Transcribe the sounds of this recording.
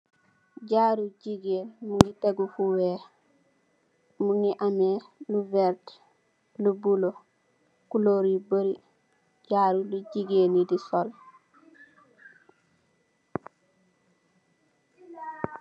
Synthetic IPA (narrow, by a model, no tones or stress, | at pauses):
ɟaːɾuɟiɡeːlmuŋɡiteɡufuwe | muŋɡiʔameluvɛɾt | lubulo | kuloːɾiboɾi | ɟaːɾuluɟiɡenidisol